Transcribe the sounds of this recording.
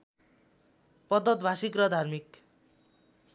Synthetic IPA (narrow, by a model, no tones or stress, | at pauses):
pʌd̪ʌt̪̚bʱasikrʌd̪ʱarmik